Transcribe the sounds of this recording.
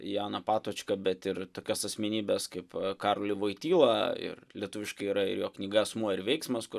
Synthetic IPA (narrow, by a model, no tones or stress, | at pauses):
jɑːnɐpɑːt̪oːt͡ʃʲkɐbʲɛt̪ɪrt̪oːkʲoːsɐsʲmʲɛnʲiːbʲɛskɐɪpkɑɾolʲɪʋoɪt̪ʲiːlˠɐɪ̰rlʲiɛt̪ʊʋʲɪʃkɐɪiːɾɐɪɾjoːknʲɪɡɐɛsmuɔɪɾʋʲɛɪksmɐskʊr